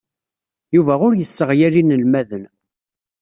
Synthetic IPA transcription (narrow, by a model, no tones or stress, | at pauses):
juvæʁʊɾjəsːəʁjæɾinəlmæðən